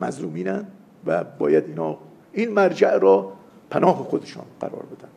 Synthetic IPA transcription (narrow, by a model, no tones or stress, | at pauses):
mæzluːmiːnænd̪ | væbɒːjæd̪iːnhɒː | iːnmæɾd͡ʒæʔɾɒː | pʰænɒːɦexod̪eʃɒ̰ːnɢ̥æ̰ɾɒ̰ːɾbe̞d̪ænd̪̥